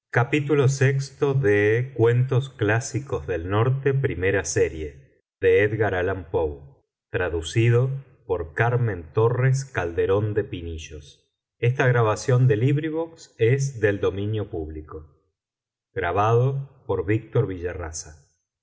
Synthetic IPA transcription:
kapit̪ulo̞sekst̪o̞ðekwe̞nt̪o̞sklasiko̞zðe̞lno̞ɾt̪e̞pɾime̞ɾaseɾje̞ | ðeeðɣaɾalampoβ | t̪ɾaðusiðo̞ | po̞ɾkaɾmẽ̞nt̪o̞res̬kald̪e̞ɾo̞nd̪e̞piniʒos | est̪aɣɾaβasjo̞nd̪e̞liβɾiβoksezðe̞ld̪o̞mĩnjo̞puβliko̞ | ɣɾaβaðo̞po̞ɾβik̚t̪o̞ɾβiʒarasa

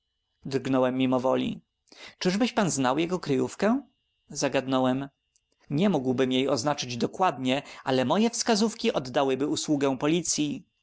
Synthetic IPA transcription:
d̪ɾɡnɔwɛmːʲimɔvɔlʲḭ | t͡ʂɘʐbɘɕpanznawjɛɡɔkɾɘjufkɛ | zaɡad̪nɔwɛm | ɲɛmuɡwbɘmjejɔznat͡ʂɘd͡ʑd̪ɔkwad̪ɲɛʔalɛmɔjɛfskazufkʲiʔɔd̪ːawɘbɘuswuɡɛ̃pɔlʲit̪sʲji

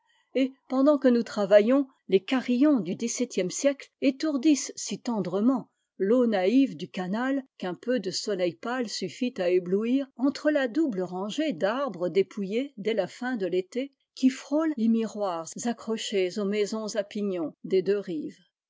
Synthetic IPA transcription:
epɑ̃d̪ɑ̃kənut̪χavajɔ̃ | lekaʁijɔ̃d̪yd̪isɛt̪jɛmsjɛklet̪uʁd̪issit̪ɑ̃d̪ʁəmɑ̃ | lonaivd̪ykanalkɛ̃pød̪əsɔlɛjpalsyfit̪aebluiːʁɑ̃t̪χəlad̪ubləʁɑ̃ʒed̪aʁbʁəd̪epʰujed̪ɛlafɛ̃d̪əlet̪e | kʲifχollemiʁwaʁzakχɔʃezomɛzɔ̃zapiɲɔ̃d̪ed̪øʁiːv

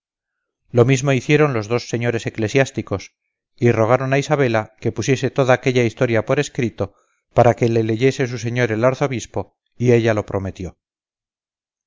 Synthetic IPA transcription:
lo̞mizmo̞iθje̞ɾo̞nlo̞zðo̞sːe̞ɲo̞ɾe̞se̞kle̞sjast̪iko̞s | iro̞ɣ̞aɾo̞naisaβ̞e̞lake̞pusje̞se̞t̪o̞ðaːke̞ʎaist̪o̞ɾjapo̞ɾe̞skɾit̪o̞ | paɾake̞le̞le̞ʝe̞se̞s̬us̬e̞ɲo̞ɾelaɾθo̞βispo̞ | ie̞ʎalo̞pɾʔo̞me̞t̪jo̞

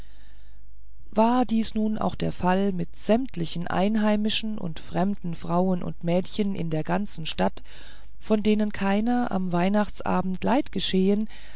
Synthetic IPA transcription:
vaːɐdiːsnuːnʔa̰ʊxd̥ḛːɐfalmɪtz̥ɛmtlɪçn̩ʔa̰ɪnɦaɪmɪʃn̩ʊ̰ntfʁ̥ɛmdn̩fʁ̥aʊənʊ̰ntmɛːtçənʔɪ̰ndeːɐɡant͡sn̩ʃtat | fɔndeːnənkʰaɪnɐʔa̰mvaɪnaχt͡sʔa̰ːbm̩tlaɪtɡ̥əʃeːən

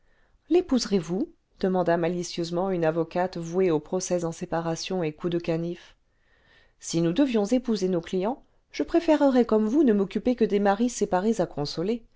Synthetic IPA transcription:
lepuzʁevu | d̪̥əmɑ̃d̪amalisjøzmɑ̃ynavɔkat̪vueopχɔsɛzɑ̃sepaʁasjɔ̃ekud̪əkanif | sinud̪əvjɔ̃zepuzenoklijɑ̃ | ʒ̥əpχefɛʁəʁɛkɔmvunəmɔkʲypekəd̪emaʁisepaʁezakɔ̃sɔle

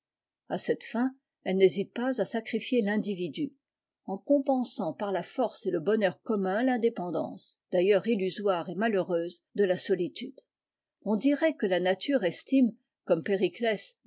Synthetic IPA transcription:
asɛt̪fɛ̃ | ɛlnezit̪̚pazasakχifjelɛ̃d̪ivid̪y | ɑ̃kɔ̃pɑ̃sɑ̃paʁlafɔʁseləbɔnœʁkɔmɛ̃lɛ̃d̪epɑ̃d̪ɑ̰̃ːsd̪̥ajœʁilyzwaʁemaløʁøːzd̪əlasɔlit̪yd̪ | ɔ̃d̪iʁɛkəlanat̪ʰyʁɛst̪im | kɔmpeʁiklɛs

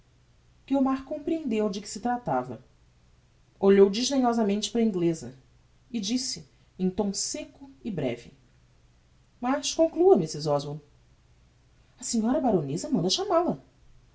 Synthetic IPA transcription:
ɡ̥eomaɾkõpɾiẽnd̪ewd͡ʒɪkɪ̥sɪt̪ɾat̪a̰vɐ̰ | oʎowd͡ʒiʒd̪eɲɔzɐmẽnt͡ʃɪ̥pɾɐĩɡlezɐ | ɪd͡ʒisɪ | ẽj̃t̪õw̃sekʊɪbɾɛ̰vɪ̰ | mɐʃkõŋkluɐmisɪzɔzvo | ɐsiɲɔɾɐbaɾonezɐmɐ̃nd̪ɐʃamalɐ

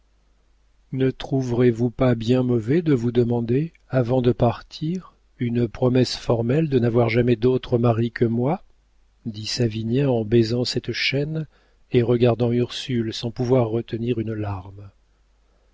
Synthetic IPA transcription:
nət̪χuvʁevupabjɛ̃mɔvɛd̪əvud̪əmɑ̃d̪e | avɑ̃d̪əpaʁt̪ʰiʁ | ynpχɔmɛsfɔʁmɛld̪ənavwaʁʒamɛd̪ot̪χəmaʁikəmwa | d̪isavinjɛ̃ɑ̃bɛzɑ̃sɛt̪ʃɛn | eʁəɡaʁd̪ɑ̃yʁsylsɑ̃puvwaʁːət̪əniʁynlaʁm

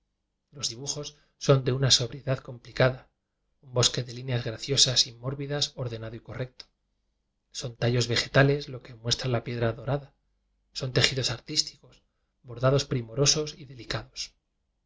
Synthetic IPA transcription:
lo̞zðiβuxo̞sː | o̞nd̪e̞unaso̞βɾje̞ðaðko̞mplikaða | umbo̞ske̞ðe̞linjazɣɾaθjo̞sasimːo̞ɾβiðaso̞ɾðe̞naðoiko̞re̞k̚t̪o̥ | so̞nt̪aʎo̞zβe̞xe̞t̪ale̞zlo̞ke̞mwe̞st̪ɾalapje̞ðɾaðo̞ɾaða | so̞nt̪e̞xiðo̞saɾt̪ist̪i̥ko̞s | βo̞ɾðaðo̞spɾimo̞ɾo̞so̞siðe̞likaðo̞s

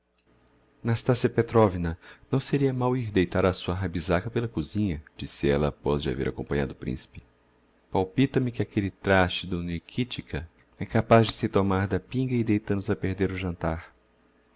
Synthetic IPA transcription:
nast̪asiɐpet̪ɾɔvinɐnɐ̃w̃seɾiɐmawiɾd̪ejt̪aɾɐsuɐɦabizakɐpelɐkuzĩɲɐd͡ʒisɪɛlɐːpɔzd͡ʒɪa̰vḛɾʔa̰kõmpɐ̃ɲa̰d̪ʊpɾḭ̃si̥pɪ̥ | pawpit̪ɐmɪkɪakelɪt̪ɾaʃt͡ʃɪd̪ʊnikʰit͡ʃikɐ | ɛkapazd͡ʒɪsɪt̪omaɾd̪ɐpĩŋɡɐɪd̪ejt̪ɐ̃nd̪ʊzɐpeɾd̪eɾʊʒɐ̃nt̪aɾ

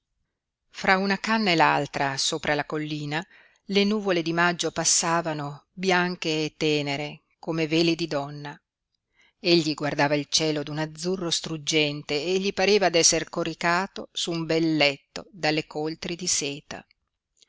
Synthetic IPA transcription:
fɾaunakanːaela̰lt̪ɾasoːpɾalakolːiːna | lenuːvoled̪imad͡ʒːopasːaːvanobjaŋk̟eːt̪ːɛːneɾe | komeveːlid̪id̪ɔnːa | eʎːiɡward̪aːvailt͡ʃɛːlod̪unad̪zːurːost̪ɾud͡ʒːɛnt̪eːʎːipaɾeːvad̪ɛsːerkoɾikaːt̪osumbɛlːɛt̪ːod̪alːekolt̪ɾid̪isɛːt̪a̰

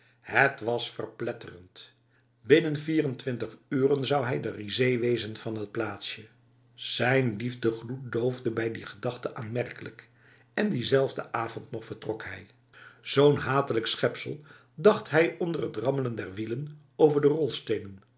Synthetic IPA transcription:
hətʋɑsfə̰rplɛtərənt | bɪnənviːrəntʋɪntəχyːrənzɑwɦɛjdərizejʋejzənv̥ɑnɦət̚plaːtsjə | z̥ɛjnlivdəχlut̚dowvdəbɛjdiχədɑχtəʔaːnmɛɹkələk | ɛndizɛlˠvdə̰ʔaːvɔntnɔχfəɹtrɔkhɛj | z̥ownɦaːtələksχɛpsəlˠ | dɑχtɦɛjɔndərɦətrɑmələndɛɹʋilən | owvəɹdərɔlˠstejnən

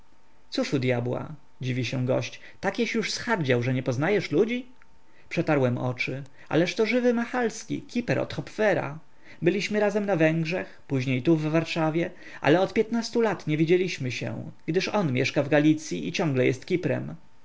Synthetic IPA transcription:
t̪suʂud̪ʲjabwa̰ | d͡ʑivʲiɕɛ̃ɡɔ̰ɕt͡ɕ | t̪akʲjɛɕjuʂsxaɾd͡ʑawʐɛɲɛpɔznajɛʂlud͡ʑi | pʂɛt̪aɾwɛmʔɔ̰t͡ʂɘ | ʔa̰lɛʂt̪ɔʐɘvɘmaxalskʲḭkʲipɛɾɔ̰t̪xɔpfɛɾa̰ | bɘlʲiɕmɘɾazɛmnavɛŋɡʐɛxpuʑɲejt̪uvːaɾʂavʲjɛ | ʔa̰lɛɔt̪pʲjɛt̪nast̪ulat̪ɲɛvʲid͡ʑelʲiɕmɘɕɛ̰w̃ɡd̪ɘʂɔnmʲjɛʂkavɡalʲit̪sʲjiʔit͡ɕɔ̃ŋɡlɛjɛst̪kʲipɾɛ̰m

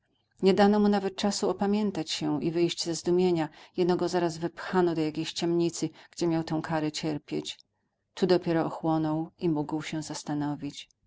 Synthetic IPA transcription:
ɲɛd̪anɔmunavɛt̪̚t͡ʂasuɔpamʲjɛnt̪at͡ɕɕɛʔivɘjʑd͡ʑzɛzd̪umʲjeɲajɛd̪nɔɡɔzaɾazvɘpxanɔd̪ɔjakʲejɕt͡ɕɛmɲit̪sɘɡ̥d͡ʑɛmʲjawt̪ɛ̃w̃kʰaɾɛt͡ɕɛɾpʲjet͡ɕ | t̪ud̪ɔpʲjɛɾɔɔxwɔnɔwimuɡwɕɛ̃zast̪anɔvʲit͡ɕ

